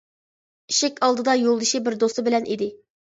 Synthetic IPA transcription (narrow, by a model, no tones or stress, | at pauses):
iʃɪkʲɑlˠd̪ɨd̪ɑjolˠd̪ɨʃibɪɾd̪ost̪ɨbɪlɛnʔid̪ɪ